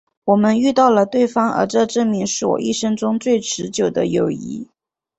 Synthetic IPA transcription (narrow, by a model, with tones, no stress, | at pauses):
wɔ˨˩mə˦ny˥˧t̪ɑ˥˩ʊlə˩t̪we˥˩ɪfɑ˥ŋə̰˞˧˥ʈ͡ʂɤ˥˧ʈ͡ʂɤ˥˩ŋmi˧˥ŋʂɻ̩˥˩wɔ̰˨˩ʔḭ˥˩ʂɤ˥ŋʈ͡ʂʊ˥ŋt͡swe˥˩ɪʈ͡ʂʰɻ̩˧˥t͡ɕjo˨˩ʊd̪ə̰˦jo˨˩ʊḭ˧˥